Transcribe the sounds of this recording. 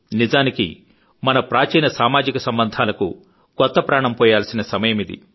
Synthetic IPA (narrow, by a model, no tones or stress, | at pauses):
nizaːnikḭ | mɐnɐpɾaːt͡ʃɐjnɐsaːmaːd͡ʒikɐsɐmbɐnd̪ʱaːlɐkṵ | kɔt̪ːɐpɾaːɳɐmpɔːjaːlsinɐsɐmɐjɐmid̪ḭ